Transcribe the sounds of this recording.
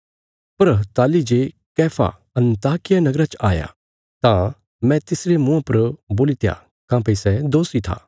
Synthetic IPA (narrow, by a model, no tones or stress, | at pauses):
pɐɾt̪aːlid͡ʒe | kɛːpʰa̰ | ɐ̃nt̪aːkɪjanɐɡɾat͡ʃaːja̰ | t̪ã | mɛ̃t̪ɪsɾemʊ̃ãpɐɾboːlit̪ja̰ | kãːpeisɛd̪oːsit̪ʰa̰ː